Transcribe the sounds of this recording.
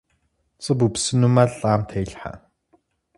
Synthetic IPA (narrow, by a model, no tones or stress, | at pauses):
t͡sə̆pɵpsɵ̆nːumaɮaːmt̪ʰæɮχa̰